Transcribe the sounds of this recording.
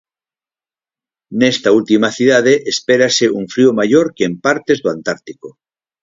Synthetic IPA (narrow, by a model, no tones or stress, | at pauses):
nest̪ault̪imaθiðað̞eʔespeɾaseuɱfɾiomajoɾkeempaɾt̪ezðoant̪aɾt̪iko